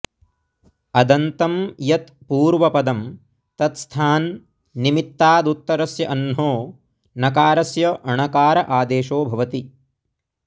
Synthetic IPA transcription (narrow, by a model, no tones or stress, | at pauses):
ɐd̪ɐnt̪ɐmjɐt̪puːɾʋɐpɐd̪ɐm | t̪ɐt̪st̪ʰaːnː | imit̪ːaːd̪ut̪ːɐɾɐsjɐʔɐnɦoː | nɐkaːɾɐsjɐʔɐɳɐkaːɾɐʔaːd̪eːʃoːbʱɐʋɐt̪i